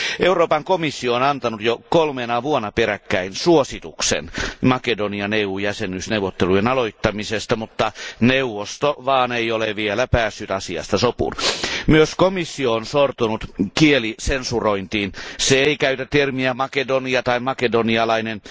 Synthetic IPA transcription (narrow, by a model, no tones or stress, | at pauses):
ʔeuroːpɑŋkomisːioːnɑnt̪ɑnut̪jokolmenɑʋuonːɑperækːæinsuosit̪uksḛnmɑkedoniɑneuːjæsenysnewʋˑot̪ːelujenɑloit̪ːɑmisest̪ɑmut̪ːɑneuʋost̪oʋɑːneioleʋielæpæːsːyt̪ɑsiɑ̰st̪ɑsopṵnmyøskomisːioonsort̪unut̪kielisensuroint̪iːnseeikæyt̪æt̪ermiæmɑkedoniɑt̪ɑimɑkedoniɑlɑinen